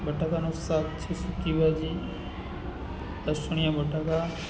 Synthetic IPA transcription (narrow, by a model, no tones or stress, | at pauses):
bəʈakanosat̪t͡ʃʰesut̪ibʱad͡ʒi | lɐsuɳ̃ijabəʈaka